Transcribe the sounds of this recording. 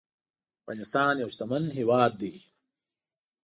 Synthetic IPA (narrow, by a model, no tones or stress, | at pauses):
pa̰nist̪aːnjɐwst̪ɐmɐnɦiwaːd̪̚ːi